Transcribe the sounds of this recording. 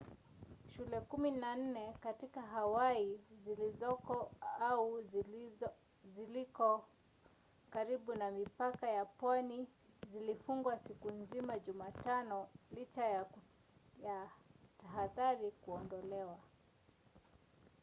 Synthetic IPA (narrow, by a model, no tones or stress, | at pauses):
ʃulɛkuminan̩nɛkatikaɦawaizilizɔ | au | zilikɔ | kaɾiɓunamipakajapwanizilifuŋɡwasikunzimaʄumatanɔlit͡ʃaja | jataɦaðaɾikuɔndɔlɛwa